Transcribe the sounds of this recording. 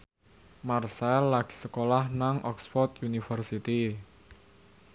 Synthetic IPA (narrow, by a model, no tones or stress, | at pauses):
marsɛlːaɡ̥i̥səkolahnaŋʔɔksfɔrt̪junifərsit̪i